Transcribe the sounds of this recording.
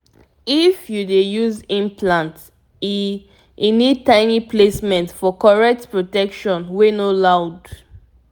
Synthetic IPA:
ifjudejuzĩmpʰlãnt | i | ʔinid̚tãɪnipʰlesmɛ̃ntfɔkɔɹɛk̚tpɹotɛkʃɔ̃nwenolaʊd

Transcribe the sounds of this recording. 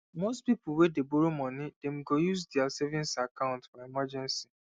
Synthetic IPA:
mostpipʊwedeboɾomɔ̃nidem̩ɡojusdɛasɛvĩnsakãʊ̃ntfɔemad͡ʒɛ̃nsi

